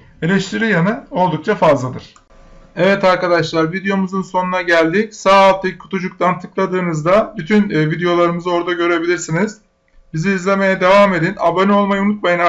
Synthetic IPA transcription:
e̞lʲɛʃt̪ʰiɾijanɯo̞lˠd̪uk̚t͡ʃʰafazlˠad̪ɯɾ̥ | evɛt̪aɾkad̪aʃlˠaɾvid̪ejo̞muzɯnso̞nunaɟælʲd̪icsaːlˠt̪ʰɯkʰːu̥t̪ʰud͡ʒuk̚t̪ʰant̪ʰɯklˠad̪ɯːnɯzd̪abyt̪ʰynːvid̪ejo̞lˠaɾɯmɯzɯo̞ɾd̪aɟø̞ɾe̞bilʲiɾsiniz̥ | biziːzlʲe̞me̞jɛd̪e̞vaːme̞d̪ina̰bonio̞lˠmajɯunut̪̚majɯna

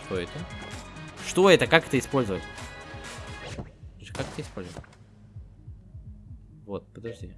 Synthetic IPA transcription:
ʂt̪oɛt̪ə | ʂt̪o̞ɛt̪əkakɛt̪əɪspolʲzəvətʲ | okakɛt̪əɪspolʲzəvətʲ | vot̪̚pəd̪ɐʐd̪ʲi

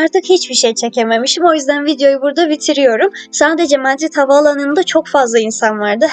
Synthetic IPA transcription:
aɾt̪ʰɯkhit͡ʃbiʃejt͡ʃʰe̞ce̞me̞miʃt̪imo̞jyzd̪ænvid̪jo̞jubuɾd̪avit̪ʰiɾijo̞ɾumsaːd̪e̞d͡ʒɛmad̪ɾit̪havaːlˠanɯnd̪at͡ʃʰo̞kfazlˠainsanvaɾd̪ɯ

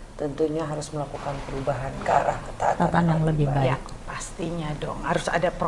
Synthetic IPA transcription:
t̪ənt̪uɲaɦaɾʊsməlakukanpəɾubaɦankaɾahkə̥t̪at̪at̪anjaŋləbɪhbak̚ | past̪iɲadɔŋhaɾʊsa̰dapɾ

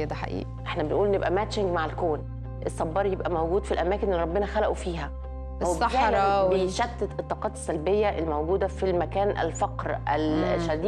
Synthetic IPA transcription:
d̪æħa̰ʔḭːʔʔeħnæbenʔuːlnːebʔæmæʃɪŋɡmaʕelkoːn | ʔesːɑbːɑːɾˤjebʔæmæwɡuːd̪filʔæmæːkenelɾˤɑbːenæxælæʔufiːɦæ | wɑæːɾɑweʃæt̪ːet̪et̪ˤːɑːqɑːt̪e̥sːælbejːæʔelmowɡuːd̪æfilmækæːnʔæ̰lfɑqɾʔælʃæd̪iː

